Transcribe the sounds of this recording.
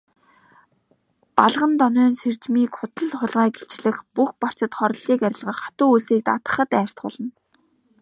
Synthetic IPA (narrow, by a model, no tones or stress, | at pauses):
paɮʁə̆nt̪ɔnœːnser̥t͡ɕmiːkχʊt̪ə̆ɮχʊɮʁæːɡeɬt͡ɕɮɘ̆xpuxpar̥t͡sə̆t̪χɔɾ̆ɮiːkæɾʲɪ̆ɮʁə̆χḁt̪ʊːuɮsiːk̚t̪a̰t̪ə̆χə̆t̪æːɬt̪̚ɢʊ̰ːɮə̆n